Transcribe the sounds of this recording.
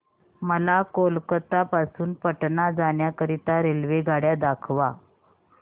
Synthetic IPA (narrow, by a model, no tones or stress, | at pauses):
məlakolkət̪apasuːnpəʈnad͡zaɳjakəɾit̪aɾelʋeɡʱaɽjad̪akʰʋa